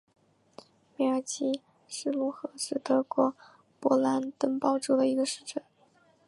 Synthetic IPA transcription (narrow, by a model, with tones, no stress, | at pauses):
mɛ˧˩ə˞˧˥t͡ɕi˥ | ʂɻ̩˥˩lu˥xɤ˧˥sɹ̩˥t̪ɤ˧˥kwɔ˧˥ | pwɔ˧˥la˧˥nt̪ə˥ŋpɑ˥˧ʊʈ͡ʂu˥˩d̪ə˩i˧˥ɡə˧ʂɻ̩˥˩ʈ͡ʂə˨˩˦n